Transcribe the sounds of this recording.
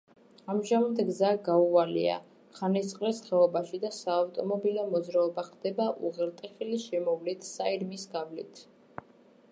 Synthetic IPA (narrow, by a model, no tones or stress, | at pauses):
amʒamamd̪ɡzaɡaualḭa̰ | χanit̪ʼqʼlɛsχɛɔbaʃid̪asaːft̪ʼɔmɔbilɔmɔd̪zɾaɔbaχd̪ɛbaʔuʁɛɾt̪ʼɛχiliʃɛmɔvlit̪ʰsaiɾmisɡavlḭt̪ʰ